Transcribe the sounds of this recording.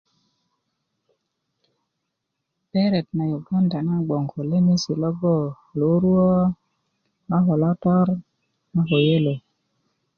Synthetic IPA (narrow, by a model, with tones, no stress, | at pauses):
pɛ˦ɾɛ˨tna˨jo˨bɔ˦nda˨na˦ɡ͡bɔ˨ŋɡɔ˨le˦mi˦si˨lɔ˦ɡɔ˦˨ | lo˨˦ɾwɔ˦ | a˦ɦɔ˨lɔ˦tɔ˦ɾ | ma˦ɦo˨je˦lo˨